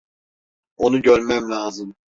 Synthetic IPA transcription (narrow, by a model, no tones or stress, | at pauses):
o̞nuɟøɾʲmæmlʲaːzɯm